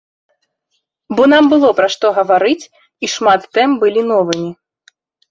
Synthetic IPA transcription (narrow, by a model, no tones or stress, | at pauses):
bɔnambɨlˠɔpɾaʂt̪ɔɣɐvaɾɨt͡sʲ | iʂmat̪ːɛmbɨlʲinɔvɨmʲi